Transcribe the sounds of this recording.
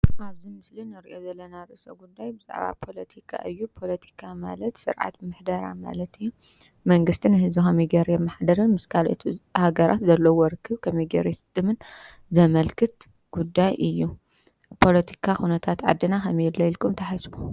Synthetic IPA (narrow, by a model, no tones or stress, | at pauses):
ʔaβzimɨslinɨɾʔo̞zɐlːɐnaɾɨsɐɡud̪ajbɨza̰ʕβa̰pʰo̞lɐt̪ʰikʰa̰ʔɨjːupʰo̞lɐt̪ʰi̥kʰama̰lɐt̪sɨ̰ɾʕa̰t̪mɨħd̪ɐɾa̰ma̰lɐt̪ɨjːu | mɐŋɡɨst̪ʰinɨhɨzuxamiɡɐɾjɛmaħd̪ɐɾɨnmɨskʰalʔo̰t̪ʰhaɡɐɾʔa̰t̪zɐlːɐwɔɾɨkʰːɨβkʰɐmejɡɐɾjesɨ̥t̪ʼːɨmɨn | zɐmɐlkʰɨt̪ | ɡ̥ud̪ːajʔɨjːu | pʰo̞lɐt̪ʰi̥kʰaxunɐt̪ʰat̪ʕa̰d̪ːɨnaxɐmjɛlːɐjlkʼɨmt̪ʰɐħasbu